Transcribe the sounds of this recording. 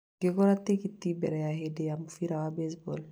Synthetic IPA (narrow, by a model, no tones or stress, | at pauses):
ɡekɔɾat̪ːikit̪ːibɛ̰ɾɛjaɦedejamufiɾawabesbo̰l